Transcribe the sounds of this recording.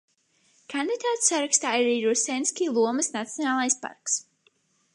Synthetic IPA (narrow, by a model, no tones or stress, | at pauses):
kʰand̪id̪aːt̪ssːaɾakst̪aːiɾaɾiːɾusɛnskʲiːlˠuɔmɨsnat̪sʲjɔnaːlˠajspa̰ɾks